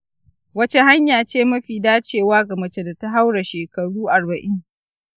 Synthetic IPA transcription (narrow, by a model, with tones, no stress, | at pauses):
wɐ˦t͡ʃe˦ha˦ɲjaː˨t͡ʃeː˦˨mɐ˦ɸiː˨daː˦t͡ʃeː˦˨waː˦ɡɐ˨mɐ˨t͡ʃe˦˨da˨ta˦ɦa˦wɽa˨ʃeː˨kɐ˨ɽuː˦ʔa˨rbɐ˨ʔɪ˦ŋ